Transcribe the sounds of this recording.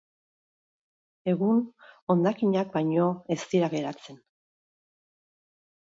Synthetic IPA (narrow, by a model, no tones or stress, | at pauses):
e̞ɣuno̞nd̪akiɲak̚bajɲo̞e̞st̪iɾaɣe̞ɾat͡se̞n